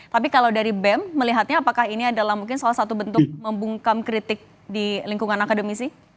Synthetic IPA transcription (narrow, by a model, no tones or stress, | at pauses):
t̪apikalawdaɾibɛmːəliɦat̪̚ɲaːpakaɦiniadalahmuŋkɪnsalahsat̪ubənt̪ʊk̚məmbuŋkamkɾit̪ɪk̚ | diliŋkuŋanakadəmisɪh